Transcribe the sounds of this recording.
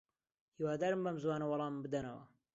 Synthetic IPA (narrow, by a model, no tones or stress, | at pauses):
hiːwaːd̪aːɾɨmbɐmzwaːnɐwɑlˠɑːmbɨd̪ɐnɐwɐ̰